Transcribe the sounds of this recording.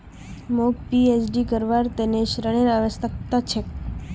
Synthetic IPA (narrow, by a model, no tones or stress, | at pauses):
mokpiet͡ʃɖikəɾʋaɾt̪eneʃɾəɽ̃eɾaʋəst̪ək̚t̪at͡ʃʰek